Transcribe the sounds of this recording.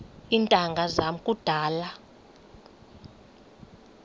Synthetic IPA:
intʼaŋɡʱazam̩kʼud̥ʱaːla

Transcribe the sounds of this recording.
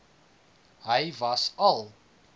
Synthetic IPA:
ɦəjvɐsɐlˠ

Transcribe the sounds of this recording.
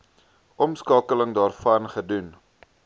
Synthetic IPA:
ʔɔmskɑːkələŋdɑːrfɐnχədun

